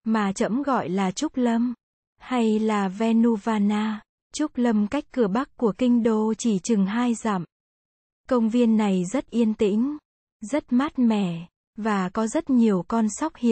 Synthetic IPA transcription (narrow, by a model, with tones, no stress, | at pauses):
maː˨˩t͡ɕə̰˧˥mɣɔ̰˧˨jlaː˨˩t͡ɕʊ˦˥k͡p̚lə˧m | ha˧jlaː˨˩vɛ˧nu˧vaː˧naː˧ | t͡ɕʊ˦˥k͡p̚lə˧mka˦˥jk̟̚kːɨ˧˩əɓa˦˥k̚kːu˧˩əkï˧ŋ̟ɗo˧˩t͡ɕi˧˩t͡ɕɨ˨˩ŋɦaː˧jza̰ː˧˨m | kə˧wŋ͡mvi˧ənːa˨˩jzə˦˥t̚ʔi˧ənt̪ḭ̈˧˥˦ŋ̟ | zə˦˥t̚maː˦˥t̚mɛ̰˧˩˨ | vaː˨˩kɔ˨˦zə˦˥t̚ɲi˨˩əwkɔ˧nsa˦˥wk͡p̚hḭ˧˨